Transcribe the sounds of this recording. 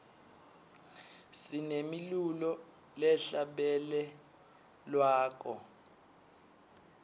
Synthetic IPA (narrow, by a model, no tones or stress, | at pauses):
sinemilulɔ | lɛɬaɓɛlɛ | lwaːk̬ɔ